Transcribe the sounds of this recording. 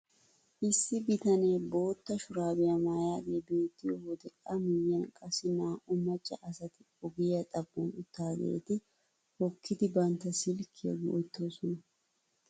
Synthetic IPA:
ʔɪsːɪbɪt̪ɐneːbo̞ːt̪ːɐʃʊɾaːbɪjɐmaːjaːd̪ebeːt̪ːɪjɔhɔd̪ɛkʼːɐmɪjːɐnkʼɐsɪnaːʊmːɐt͡ʃʼːɐ̰ʔɐsɐt̪ɪ | ɔɡɪjɐt̪ʼɐbːɐnʊt̪ːaːɡḛːt̪ɪ | hɔkːɪt̪ɪbɐnt̪ɐsɪlkʰḛɡʊɔjt̪ːo̞ːsɔnɐ

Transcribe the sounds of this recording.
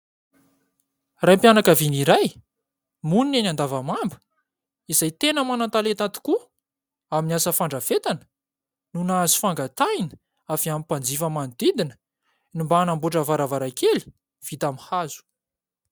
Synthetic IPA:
rajmpjanakaviniɾaj | muninenand̪avamambə̥ | izajt̪enəmanant̪alet̪at̪i̥ku | aminasəfaɳɖ͡ʐəvet̪anə̥ | nunaazi̥faŋɡat̪ajnə̥ | afiampand͡zifəmand̪id̪inə̥ | nimbaːnambuʈ͡ʂəvaɾavaɾakeli̥ | v̥it̪amihazu̥

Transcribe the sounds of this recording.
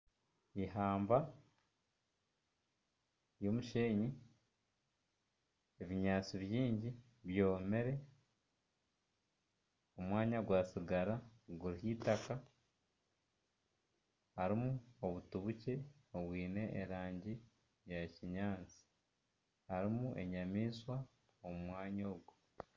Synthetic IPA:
iɦaːmba | jo̞muʃe̞ːɲi | eβiɲaːt͡siβjiːɲɟi | βjo̞ːme̞ɾe̞ | o̞mwaːɲaɡwaːsiɡaɾaɡuɾihitaka | haɾimuo̞βutuβuce̞oβwiːne̞ʔːɾaːɲɟi | jaciɲaːt͡si̥ | haɾimuʔe̞̰ɲamiːswa | omumwaːɲo̞ːɡwu

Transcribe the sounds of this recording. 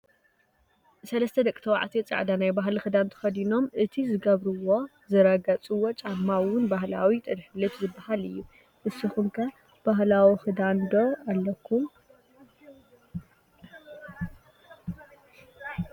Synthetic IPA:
sɐlɐst̪ʰɐd̪ɐkʼt̪ʰɐwa̰ʕt̪ʰit͡sʼa̰ʕd̪anajbaɦlixɨd̪ant̪ʰɐ̥xɐd̪ino̞mʔɨt̪ʰizɨɡɐβɾuwo̞ | zɨɾɐɡɐt͡sʼuwot͡ʃʼamːawʊnbahlawit̪ʼɨɾħlɨfzɨbahalɨjːu | ʔɨsːɨxumkʰɐ | b̥aɦlawixɨd̪and̪oalːɐkʰːum

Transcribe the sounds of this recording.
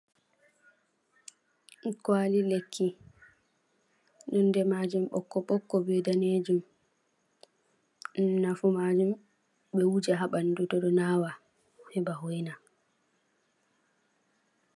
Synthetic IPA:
kwalilekʰːi | nɔndɛmad͡ʒumɓɔ̰kːɔɓɔkːɔbɛdaned͡ʒum | nafumad͡ʒum | ɓɛwud͡ʒaɦaɓandutɔɗɔnaːwa | hɛbahojna

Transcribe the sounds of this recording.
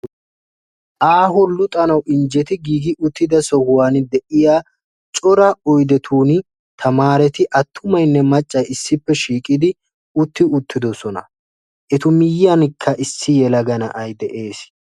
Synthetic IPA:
ʔaːɦʊlʊt̪ʼɐnɐwʔɪnd͡ʒɛt̪ɪɡiːɡɪʔʊt̪ːɪd̪ɐsɔhʊwaːnd̪ɛʔɪjaː | t͡ʃʼɔɾɐɔjd̪ɛt̪ʰuːn | t̪ʰɐmaːɾɛt̪ɪʔɐt̪ʰːʊmɐjnːɛmɐt͡ʃʼːɐjɪsːɪpːɛʃiːkʼɪd̪ɪ | ʊt̪ːɪʊt̪ːɪd̪ɔsɔnɐ̰ | ʔɛt̪ʊmɪjːɐnkʰːɐʔɪsːɪjɛlɐɡɐnɐ̰ʔɐjd̪ɛʔe̞ːs

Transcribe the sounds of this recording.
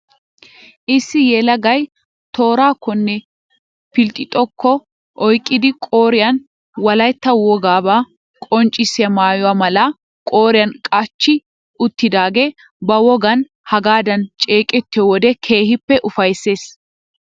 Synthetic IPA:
ʔɪsːɪjɛːlɐɡɐj | t̪o̞ːɾaːkːɔnːɛ | pɪlt̪ʼːɪt̪ʼɔkːɔ | ʔɔjkʼːɪd̪ɪkʼo̞ːɾɪjɐn | wɐlɐjt̪ːɐwɔɡaːbaː | kʼɔnt͡ʃʼɪsɪɐmaːjɔwaːmɐlɐ | kʼoːɾɪjɐnkʼɐt͡ʃːɪ | ʊt̪ːɪd̪aːɡeː | bɐwɔɡɐn | hɐɡaːd̪ɐnt͡ʃʼe̞ːkʼɛt̪ːɪjɔwɔd̪ɛkʰe̞ːhɪpːɛʔʊfɐjsːe̞ːs

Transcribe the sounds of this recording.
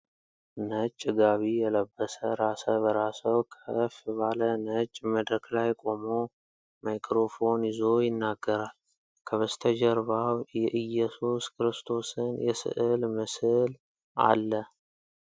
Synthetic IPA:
nət͡ʃʼːɡaβijɛləbːəsəɾasəbəɾasəwkʰəfbalənət͡ʃʼːməd̪ɾəklajkʼo̞mo | majkɾo̞fo̞nɪzo̞jɪnːaɡːəɾal | kʰəβəst̪ʰəd͡ʒɛɾβawjɛʔɨjːɛsuskʰɨɾɨst̪ʰo̞sɨnjɛsɨ̰ʔɨlməsɨl | ʔa̰lːə

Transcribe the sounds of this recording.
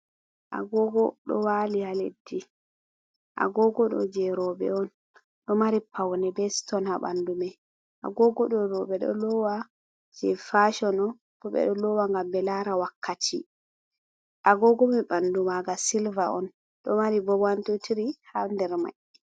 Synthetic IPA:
ʔa̰ɡɔɡɔɗɔ̰walihalḛdːi | ʔa̰ɡɔɡɔɗɔ̰d͡ʒɛɾɔbɛ̰ɔn | ɗɔmaɾipawnɛbɛstɔnhaɓa̰ndumɛ | ʔa̰ɡɔɡɔɗɔɾɔɓɛɗɔ̰lɔwa | d͡ʒɛfaʃɔnɔ | b̥ɔɓɛ̰ɗɔlɔwaŋɡambɛlaɾawakʰːatʰḭ | ʔaɡɔɡɔmɛbandumaɡasilvaʔɔn | ɗɔmaɾibɔbantutiɾihandɛɾma̰jɛ

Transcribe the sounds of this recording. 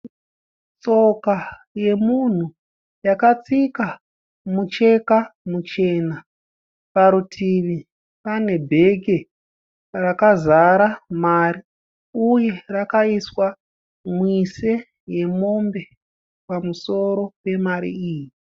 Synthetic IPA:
t͡so̞ka | je̞mun̤u | jakat͡sika | mut͡ʃe̞kamut͡ʃe̞ːna | paɾutʰiʋi | pane̞bʱe̞ɡʱe̞ | rakazaɾamaːɾi | uje̞rakaiswa | mwise | je̞mo̞mbe̞ | pamuso̞ɾo̞pe̞maɾḭiːji

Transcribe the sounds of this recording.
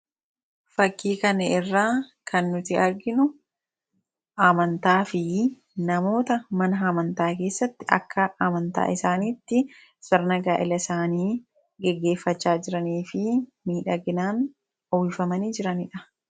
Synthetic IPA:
fɐkːiːkɐnɐɪrːaː | kʰɐnːʊt̪ɪɐɾɡɪnʊ | ʔɐmɐnt̪aːfɪ | nɐmo̞ːt̪ɐmɐnɐɦɐmɐnt̪aːke̞ːsːɐt̪ːɪʔɐ̰kʰːɐʔɐmɐnt̪a̰ːʔɪsaːniːt̪ːɪ | sɐɾnɐɡaːʔɪlɐɪsaːniː | ɡɛɡːe̞ːfːɐt͡ʃːaːd͡ʒɪɾɐniːfɪmiːᶑɐɡɪnaːn | ɔwɪfɐmɐniːd͡ʒɪɾɐnɪᶑɐ̥

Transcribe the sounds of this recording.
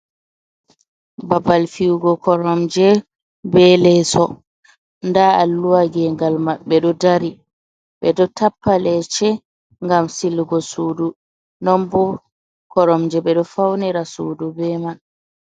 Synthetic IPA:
babalfiwɡɔkɔɾɔmd͡ʒɛ | bɛlɛsɔ | ndaalːuwaɡɛŋɡalmaɓɛɗɔdaɾi | ɓɛɗɔtapːalɛt͡ʃɛ | ŋɡamsilɡɔsudu | nɔmbɔ | kɔɾɔmd͡ʒɛɓɛɗɔfawniɾasuːdubɛman

